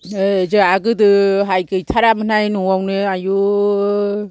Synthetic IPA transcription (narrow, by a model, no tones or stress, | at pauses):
ɯd͡ʒɯaɡɯdɯɦajkʰɯjtʰaɾamɯnajnuŋawnɯaju